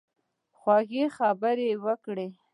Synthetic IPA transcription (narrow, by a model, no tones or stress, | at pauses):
xwɑɣexabəɾewəkɽe